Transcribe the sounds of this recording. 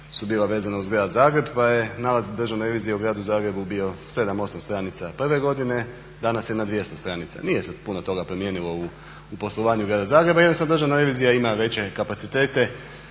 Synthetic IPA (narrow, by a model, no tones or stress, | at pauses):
subiːlˠaʋe̞ːzanauzɡɾaːd̪zaːɡɾe̞bpaje̞naːlazd̪ɾr̩ʒaʋnaɾe̞ʋiːzijauɡɾaːd̪uzaːɡɾe̞bubijo̞se̞d̪amo̞samst̪ɾanit̪sapr̩ʋe̞ɡo̞d̪ine̞ | d̪anasjenad̪ʋje̞st̪o̞st̪ɾanit̪sa̰nije̞sepunot̪o̞ɡapɾemje̞ːnilˠo̞u | upo̞slˠoʋaːɲuɡɾaːd̪azaːɡɾebajenost̪and̪ɾʒaʋnaɾe̞ʋiːzijaimaʋe̞t͡ɕe̞kapat̪sit̪e̞ːt̪e̞